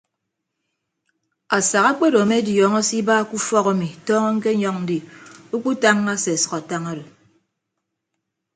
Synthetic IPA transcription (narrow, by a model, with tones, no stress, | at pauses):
a˨sa˨ɣa˦k͡pe˦ɾo˨me˦djɔ˨ŋɔ˦si˦ba˦˨ku˦fɔ˦ka˨mi˨tɔː˦ŋɔ˦ŋ̩˦ke˦ɲɔ˦ŋn̩˦di˨u˦k͡pu˦ta˦ŋːa˦se˨sʌ̥˨ka˨ta˦ŋa˦ɾo˨